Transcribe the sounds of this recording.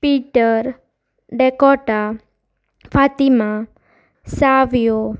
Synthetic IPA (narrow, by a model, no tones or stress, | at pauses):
piʈəɾ | ɖɛkɔʈa | fat̪ima | saʋjo